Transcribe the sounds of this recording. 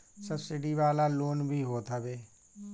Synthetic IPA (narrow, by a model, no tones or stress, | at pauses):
səbsɪɖiʋaːlaloːnbʱiɦoːt̪ʰabeː